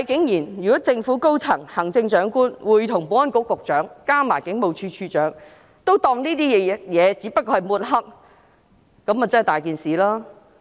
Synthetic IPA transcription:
hɐ˨˧jkɪ˨˥ŋjiː˨˩njyː˨kɔː˨˥t͡sɪ˧ŋfuː˨˥ko˥wt͡sʰɐ˨˩ŋhɐ˨˩ŋt͡sɪ˧ŋt͡ʃœː˨˥ŋkuː˥nwuː˨˧jt̪ʰʊ˨˩ŋpoː˨˥ɐ˥nkʊ˨˥kːʊ˨k̚t͡ʃœː˨˥ŋkaː˥maː˨˩jkɪ˨˥ŋmo˨wt͡ʃʰyː˧t͡ʃʰyː˧t͡ʃœː˨˥ŋ | t̪o˥wt̪ɔː˧ŋniː˥t̪iː˥jɛ˨˧jɛː˨˧t͡siː˨˥pɐ˥t̚kːɔː˧hɐ˨jmuː˨˩t̚ɦɐ˥k̚ | kɐ˨˧˥mɐ˨t͡sɐ˥˨jt̪aː˨˩jkiː˨nsiː˨laː˥

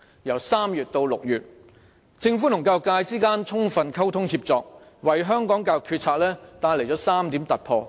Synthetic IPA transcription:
jɐ˨˩wsaː˥mjyː˨t̚t̪o˧wlʊ˨k̚jyː˨t̚ | t͡sɪ˧ŋfuː˨˥nʊ˨˩ŋkaː˧wkaː˧jt͡siː˥kaː˥nt͡sʰʊ˥ŋfɐ˧nkʰɐ˥wt̪ʰʊ˥ŋhiː˧p̚t͡sɔː˨k̚ | wɐ˨˩jɦœː˥ŋkɔː˨˥ŋkaː˧wkʰyː˧t̚t͡sʰaː˧˥k̚lɛː˥t̪aː˧jle˨˩jt͡sɔ˨˥saː˥mt̪iː˨˥mt̪ɐ˨t̚pʰɔː˧

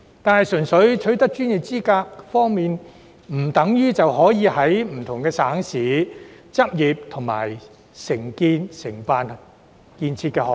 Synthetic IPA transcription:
t̪aː˨˧nhɐ˨jsɵ˨˩nsɵ˨˥ɥt͡ʃʰɵ˨˥ɥt̪ɐ˥k̚t͡ʃyː˥nji˨p̚t͡siː˥kaː˧k̚fɔː˥ŋmiː˨n | m̩˨˩t̪ɐ˨˥ŋjyː˥t͡sɐ˨whɔː˨˥jiː˨˧hɐ˨˥jm̩˨˩t̪ʰʊ˨˩ŋkɛː˧saː˨˥ŋsiː˨˥t͡sɐ˥p̚jiː˨p̚t̪ʰʊ˨˩ŋma̰ː˨˩j | sɪ˨˩ŋkiː˧nsɪ˨˩ŋpaː˨n | kiː˨nt͡sʰi˧t̚kɛː˧hɔː˨

